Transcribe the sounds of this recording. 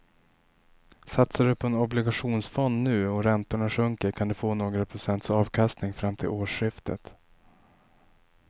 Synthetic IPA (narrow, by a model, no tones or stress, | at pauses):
sat̪saɖɵpʰɔɛnɔblɪɡaɧuːnsfɔnd̪nʉ̟ːɔɾɛnt̪ʊɳaɧɵŋkəɾkʰand̪ɛfoːnoːɡɾapʰɾʊsɛnt̪sɑːvkʰast̪nɪŋfɾamːt̪ʰɪ̰loːʂɧɪft̪ʰə̰t̪